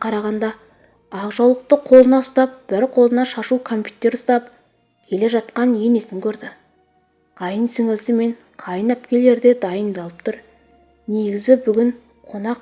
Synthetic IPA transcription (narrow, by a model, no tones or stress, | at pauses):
qʰɑɾɑʁɑnd̪ɑ | ɑʁʒɑwlˠəq̚t̪əqʰo̞lˠənɑʊst̪ɑp̚b̥ɪɾqʰo̞lˠənɑʃɑʃukʰo̞mpʰʲjut̪e̞ɾʊst̪ɑp̚ | kʲʰe̞le̞ʒɑt̪̚qɑnje̞ne̞sɪŋkʲʰɵɾd̪ɪ | qɑjənsɪŋɪlsɪme̞ɴ | qʰɑjənæpkʲe̞le̞ɾd̪e̞d̪ɑjənd̪ɑlˠəp̚t̪ʰʊɾ | ne̞ɡʲɪzɪbʏɡʲɪɴ | qʰo̞nɑq